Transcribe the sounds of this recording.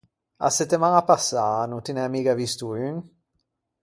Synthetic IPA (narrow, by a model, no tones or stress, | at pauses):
a̰set̪ːemaŋapasːaːnut̪inɛamiːɡavist̪uyŋ